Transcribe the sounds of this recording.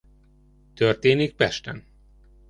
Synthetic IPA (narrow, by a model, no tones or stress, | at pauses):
t̪ørt̪eːnik̚pɛʃt̪ɛ̰n